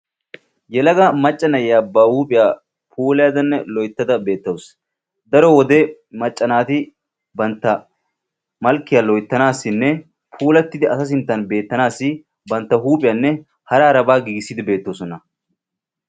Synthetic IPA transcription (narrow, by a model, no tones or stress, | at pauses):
jɛlɐɡɐmɐt͡ʃʼːɐnɐjjaːbːaːhuːpʼɪjaː | pʰuːlɪjaːd̪ɐnːɛlɔjt̪ːɐd̪ɐbe̞ːt̪ːɐws | d̪ɐɾɔwɔd̪emɐt͡ʃʼːɐnaːt̪ɪ | bɐnt̪ːɐ | mɐlkːɪjaːlɔjt̪ːɐnaːsːɪnːɛ | pʰuːlɐt̪ːɪd̪ɪɐsɐs̬ɪnt̪ːɐnbe̞ːt̪ːɐnaːsːɪ | bɐnt̪ːɐɦuːpʼɪjɐːnːɛ | hɐɾaːɾɐbaːɡiɡɪsːɪd̪ɪbe̞ːt̪ːoːsɔnɐ